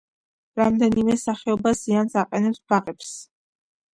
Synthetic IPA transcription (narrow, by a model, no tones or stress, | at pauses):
ɾamd̪ɛnimɛsaχɛɔbaziansaqʼɛnɛpsbaʁɛps